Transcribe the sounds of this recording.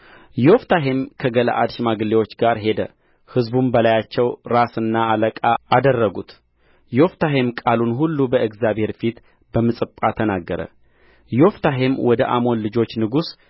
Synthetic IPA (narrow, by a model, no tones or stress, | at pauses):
jɛoft̪ʰaɦemkʰəɡəla̰ʔad̪ʃmaɡɨlːewo̞t͡ʃːɡaɾɦe̞d̪ə̰ | hɨzbumbəlajat͡ʃːɛwɾasɨnːaːləkʼaad̪ərːəɡut̪ | jɛoft̪ʰaɦemkʼalunɦulːubəʔɨɡzjaβhe̞ɾfit̪ | bəmɨsʼɨpʼːat̪ʰənaɡːəɾə̰ | jɛoft̪ʰaɦemwɔd̪əʔamo̞nlɨd͡ʒo̞t͡ʃːnɨɡus